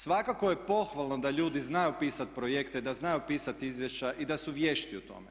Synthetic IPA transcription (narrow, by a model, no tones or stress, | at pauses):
sʋakakoje̞po̞xʋalˠnod̪aʎuːd̪iznajupiːsat̪̚pɾojekt̪ed̪aznajupiːsat̪izʋjeʃt͡ɕaʔid̪asuʋjeːʃt̪iut̪o̞̰me